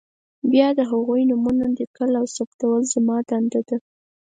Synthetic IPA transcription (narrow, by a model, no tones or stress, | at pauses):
bjɑd̪əɦaɣujnʊmunad̪əkəlawsapt̪awəlzamɑd̪and̪ad̪ə